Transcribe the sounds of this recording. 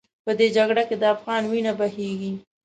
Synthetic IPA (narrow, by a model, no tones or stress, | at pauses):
pəd̪ed͡ʒaɡɽaked̪əafɣɑnwinabaheɡi